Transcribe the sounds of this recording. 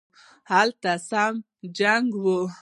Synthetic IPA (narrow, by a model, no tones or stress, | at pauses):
halt̪asam | d͡ʒaŋɡwu